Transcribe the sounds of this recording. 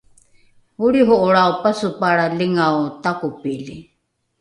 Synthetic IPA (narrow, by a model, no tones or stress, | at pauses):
huɽiɦɔʔɔɽaopasupaɽaliŋaot̪akupili